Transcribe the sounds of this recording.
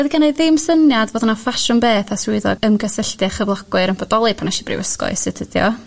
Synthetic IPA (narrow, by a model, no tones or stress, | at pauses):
əðiɡanejðɪmsənjadvoːdnafaʃʊnbeːθasʊɨðɔ̰ɡəmɡəsɪɬtɨχəvlˠɔɡ̥wʊɾənbɔdɔlˠɨpʰanɛʃibrɪ̰wəskɔ̰ɨsɪtʰədjɔ̰